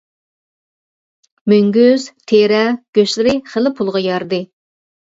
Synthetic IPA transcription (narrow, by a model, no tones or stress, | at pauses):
myŋɡʲyz̥t̪ʰeɾɛɡ̥ʲøʃlɪɾɪχəlɪpʰulˠʁɑjɑɾd̪ɨ